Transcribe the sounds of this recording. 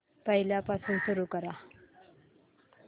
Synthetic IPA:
pəɦiljapasuːnsuɾuːkəɾa

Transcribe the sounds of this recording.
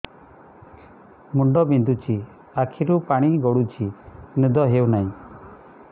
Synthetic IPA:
muɳɖɔbind̪ut͡ʃi | akʰiɾupaɽ̃iɡɔɽut͡ʃʰinid̪ɔɦewnaĩ

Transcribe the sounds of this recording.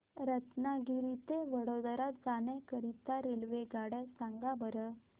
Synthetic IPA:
ɾət̪naɡiɾit̪eʋəɽod̪əɾat̪̚d͡zanẽkəɾit̪aɾelʋeɡaɽasãŋɡabəɾə

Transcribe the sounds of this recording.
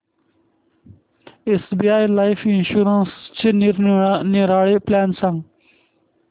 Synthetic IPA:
esbiaːjlaːfinʃuːɾənst͡ɕʰiniɾniɾaːɽeplɛːnsãŋ

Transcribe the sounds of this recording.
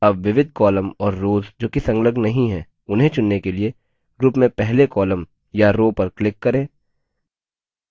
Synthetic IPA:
ɐbʋɪʋɪd̪̚ʱkɔːləmɔːɾːoːzd͡ʒoːkisɐ̃ŋɡləɡnɐɦĩɦɛː | ʊnɦẽt͡ʃʊnːekelie | ɡɾuːpmẽpɛɦlekɔːləm | jaɾoːpɐɾklɪkːɐɾẽː

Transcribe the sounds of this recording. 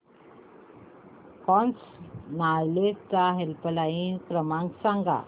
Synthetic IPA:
kɔ̃nt͡snaɭlest͡saɦelpəlainkɾəmãŋksãŋɡa̰

